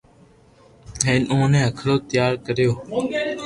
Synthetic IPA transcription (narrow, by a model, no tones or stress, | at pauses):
ɦẽːnũːnẽːɦəkʰɽoːt̪ɪjaːɾkəɾɪjoː